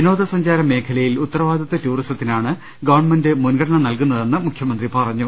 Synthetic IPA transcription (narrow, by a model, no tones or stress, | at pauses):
ino̞ːd̪ɐsɐɲd͡ʑaːɾɐmːe̞ːkʰɐlɐjilut̪ːɐrɐʋaːd̪ʱjɐt̪ːɐtuːristɐt̪ːinaːɳɨ | ɡɐʋɐɳmɐndɨmunɡɐɽɐɳɐmnɐlkunːɐðe̞nːɨmukʰjɐmɐnd̪ripɐrɐɲːu